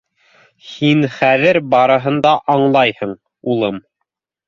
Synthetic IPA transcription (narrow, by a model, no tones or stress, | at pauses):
hinχæðɘɾbɑɾɤ̆ɦɤ̆nd̪ɑʔɑɴlˠɑjhɤɴ | ulˠɤm